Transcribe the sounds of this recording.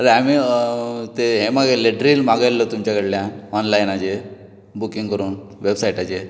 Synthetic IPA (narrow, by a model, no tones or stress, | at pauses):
əɾeami | t̪eɦemaɡaleʈɾiːlmaɡalːət̪umt͡ɕakəɽljãɔnlajnat͡ɕe | bukĩŋɡkəɾuːnʋebsaiʈat͡ɕe